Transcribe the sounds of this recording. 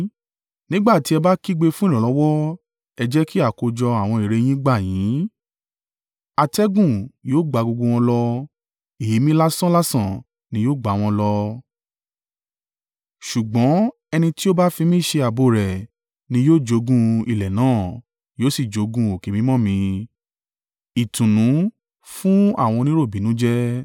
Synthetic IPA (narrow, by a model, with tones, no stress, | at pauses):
nĩ˦ɡ͡ba˦˨ti˨˦ɛ˧ba˦ki˦ɡ͡be˧fũ˦˨ɾĩ˨lɔ˨˦wɔ˦ | ɛ˧d͡ʒɛ˦ki˦a˦˨ko˧d͡ʒɔ˧a˨w̃ɔ̃˧i˨ɾe˧j̃ĩ˦ɡ͡ba˦˨jĩ˨˦ | a˧tɛ˦ɡũ˦˨joː˦˨ɡ͡ba˨˦ɡo˧ɡo˧w̃ɔ̃˧lɔ˧ | e˨je˨˦mĩ˦la˦sɔ̃˦la˦sã˦˨ | nĩ˧joː˦˨ɡ͡ba˨w̃ɔ̃˧lɔ˧ | ʃu˨ɡ͡bɔ̃˨˦ | ɛ˧nĩ˧ti˦o˦ba˦fi˧mĩ˦˨ʃe˧a˨bo˨ɾɛ˨ | nĩ˧˦joː˦˨d͡ʒo˨˦ɡũ˦i˨lɛ˨nãː˦˨ | joː˦si˦˨d͡ʒo˨˦ɡũ˧˦o˨ke˨mĩ˨˦mɔ̃˦mĩ˧ | i˨tũ˨nũ˨˦ | fũ˦a̰˦˨w̃ɔ̃˧nĩ˦ɾo˦˨bĩ˨˦nũ˨˦d͡ʒɛ˦